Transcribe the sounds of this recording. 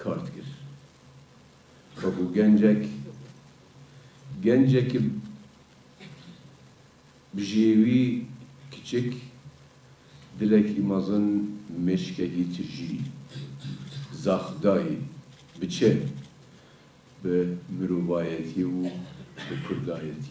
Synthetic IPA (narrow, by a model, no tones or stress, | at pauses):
kʰɑːɾt̪kɨɾ | wɛkoːɡɛnd͡ʒɛk | ɡɛnd͡ʒɛk | bɨʒewiːkʰɨ̥t͡ʃɪk | d̪ɨlɛkʰiːmɑzɨnmeʃkɛkiːt̪ʰɨʒiː | zɑːxd̪ɑːji | bɨt͡ʃʰɛ | bɨmɨɾoːvɑːjɛt̪ʰiwubɨkʰʊɾd̪ɑːjɛt̪ʰi